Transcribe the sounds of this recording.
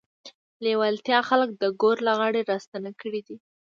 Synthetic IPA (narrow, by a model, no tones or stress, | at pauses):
lewalt̪jɑxalək̚d̪əɡoɾlaɣɑɽeɾɑst̪anakəɽid̪i